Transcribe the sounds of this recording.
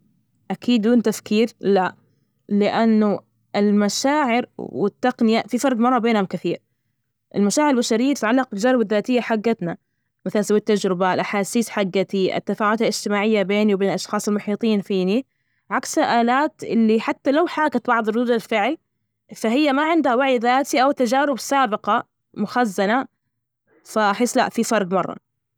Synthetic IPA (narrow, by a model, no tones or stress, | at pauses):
ʔakiːd̪ːuːnt̪afkiːɾla | lɪʔanːu | ʔɪlmaʃaːʕɪɾwɪt̪ːaqnɪjafifɑɾˤd̪ˤmɑrˤːɑbeːnhamkɪθiːɾ | ʔɪlmaʃaːʕɪɾɪlbaʃaɾɪjːat̪ɪ̥t̪ʕalːɑq̚bɪld͡ʒɑɾˤbaðːaːt̪ɪjːaħaɡːat̪na | maθalasawːit̪ːad͡ʒɾɪbalʔaħaːsiːsħaɡːat̪iʔa̰t̪ːafaːʕʊd̪alʔɪd͡ʒt̪ɪmaːʕɪjːabeːniwbeːnlʔɑʃxɑːsˤɪlmʊħiːt̪ˤiːnfiːni | ʕaksaʔaːlaːt̪ʔɪ̰lːiħat̪ːalawħaːˤkat̪bɑʕðˤɨrˤuːd̪alfɪʕli | faɦɪjːamaʕɪnd̪hawaʕjðaːt̪iʔawt̪ːad͡ʒaːɾɪbsaːbɪqɑ | mʊxazːana | faʔaħɪːslaʔfifɑɾˤd̪mɑrˤːɑ̰